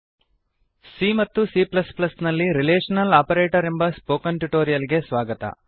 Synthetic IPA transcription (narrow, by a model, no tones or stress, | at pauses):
simɐt̪ːusiplɐsplɐsnɐlːiɾileːʂɐnɐlaːpɐɾeːʈɐɾembɐspoːkɐnʈuʈoːɾijɐlɡe̞sʋaːɡɐt̪ɐ̰